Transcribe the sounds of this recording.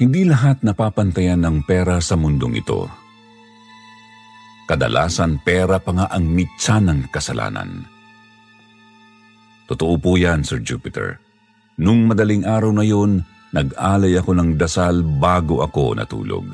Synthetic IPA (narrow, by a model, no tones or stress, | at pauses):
hɪnd̪ilɐɦat̪̚nɐpaːpɐnt̪ɐjanːɐŋpɛɾɐsɐmʊnd̪oŋʔɪ̰t̪o̞̰ | kɐd̪ɐ̰lʔa̰ːsɐnpɛɾɐpɐŋaʔɐŋmisanɐŋkɐsɐlʔa̰ːnɐ̰n | t̪ʊt̪oʔopuːjansɛɹd͡ʒṵpɪt̪ɛ̰ɹ | nʊŋmɐd̪ɐliŋʔaːɾɐwnɐjo̞nː | ɐɡaːlɐjɐko̞nɐŋd̪ɐsalbaːɡoʔɐko̞̰nɐ̰t̪ṵːlo̰ɡ̚